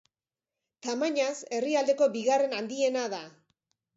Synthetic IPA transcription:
t̪amaɲase̞riald̪e̞ko̞biɣare̞nand̪ie̞naða

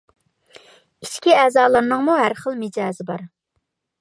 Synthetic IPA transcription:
iʃkʲiɛːzɑːlˠəɾnɨŋmuɦæɾχəlˠmɪd͡ʒɑːzɪbɑɾ

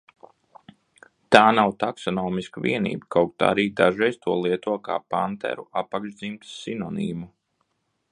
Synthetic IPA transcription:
t̪aːnawt̪aksɔnɔːmiskavḭɛnḭːbkawk̚t̪aa̰ɾiːd̪aʒɛjst̪uɔlˠiɛt̪uɔka̰ːpant̪ɛ̰ɾuapakʒd̪zimt̪sinɔnḭːmu

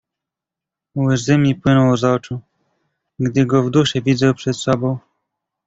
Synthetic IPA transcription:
wɘzɘmʲipwɘnɔwɔzaɔt͡ʂu | ɡd̪ɘɡɔvd̪uʂɛvʲidzawpʂɛt̪sɔbɔ̃w̃

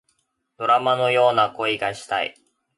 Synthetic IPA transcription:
d̪̥o̞ɾamano̞jo̞ːnako̞iɡaɕi̥t̪a̰ḭ

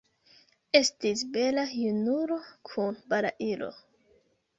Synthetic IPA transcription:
e̞stisbe̞lajunuɾo̞kʰunbaɾa̰ʔilo̞̰

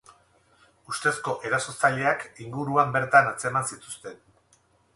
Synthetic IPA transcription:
ust̪e̞sko̞ʔe̞ɾaso̞t͡saʎe̞akiŋɡuɾuambe̞ɾt̪anat͡se̞mansit̪ust̪e̞n

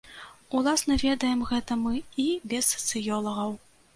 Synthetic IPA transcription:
ulˠasnɐvʲɛd̪ɐjɛmɣɛt̪ɐmɨibʲɛsɐ̥t̪sɨjɔlˠɐɣɐw

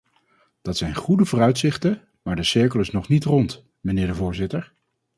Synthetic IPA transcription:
d̥ɑtsɛjnχudəvʊːrœɥtsɪχtə | maːɹdəsɪɹkələsnɔχnitrɔnt | mənɪːɹdəvʊːɹzɪtəɹ

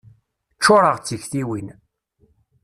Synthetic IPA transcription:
t͡ʃːʊɾˤəʁt͡sːiçθiwin

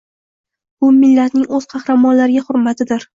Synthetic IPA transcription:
bʊmɪlːat̪nɪŋɵz̥qʰɑhɾamɒnlaɾɪɡʲahʊɾmat̪ʰɪd̪ɪɾ

